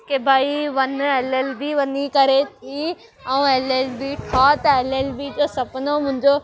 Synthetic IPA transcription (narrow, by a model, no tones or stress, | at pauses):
kebʱaːiʋɐneːleːlbiʋɐnikɐɾet̪ʰi | ɛ̃ũeleːlbiʈʰat̪ɐeleːlbid͡ʑoːsɐpnomʊ̃ɦɪ̃ɲd͡ʑo